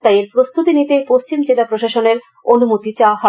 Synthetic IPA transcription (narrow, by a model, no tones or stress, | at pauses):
t̪ajeɾpɾost̪ut̪init̪epost͡ɕimd͡ʑelapɾoʃaʃoneɾ | onumot̪it͡ɕaoaɦɔ